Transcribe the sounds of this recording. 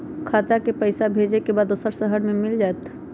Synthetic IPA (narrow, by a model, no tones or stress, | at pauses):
kʰaːt̪akepəɪsabʱeːd͡ʒekebaːd̪ʊsəɾsəɦəɽmẽmɪld͡ʒaːet̪ʰ